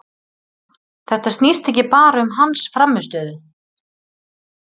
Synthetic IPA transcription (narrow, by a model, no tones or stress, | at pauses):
θɛht̪ast̪nist̪ɛhcɪpaːɾaʏmɦansfɾamːʏst̪œːðʏ